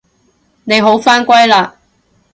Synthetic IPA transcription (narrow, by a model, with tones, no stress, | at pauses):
ne˨˧jɦo˨˥wfaː˥nkʷɐ˥jlaː˧